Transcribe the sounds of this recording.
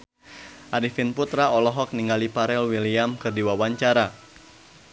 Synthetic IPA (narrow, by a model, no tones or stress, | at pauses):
ʔaɾifinput̪ɾaɔlɔɦɔk̚niŋɡalipaɾɛlwiliamkɨrdiwawaɲt͡ʃaɾa